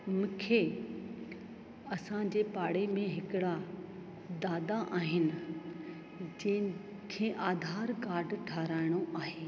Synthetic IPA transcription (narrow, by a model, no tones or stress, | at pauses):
mũːkʰeː | ɐsãd͡ʑeːpaːɽemẽɦɪkɪɽa | d̪aːd̪aʔaːɦɪnɪ̆ | d͡ʑɐ̃ɦɪ̃ | kʰẽːʔaːd̪ʱaːɾkaːɾɖʈʰaːɾaːɪɽ̃oʔaːɦeː